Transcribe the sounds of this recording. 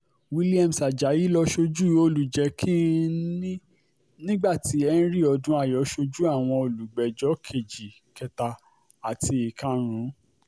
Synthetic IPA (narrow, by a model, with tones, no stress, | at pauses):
wi˦li˦a˧msa˨d͡ʒa˨˦ji˦lɔ˧ʃo˧d͡ʒu˦o˧lu˨d͡ʒɛ˨˦kʰi˦ | nĩ˦ɡ͡ba˦˨ti˨˦ɛ˦n̩˦ɾi˦˨ɔ˧dũ˦a˦˨jɔ˨˦ʃo˧d͡ʒu˦a˦˨w̃ɔ̃˧o˨lu˨ɡ͡bɛ˨d͡ʒɔ˨˦kʰe˨d͡ʒi˨ | kɛ˧ta˧ | a˨tʰi˧i˨kã˧ɾ̃ũ˨˦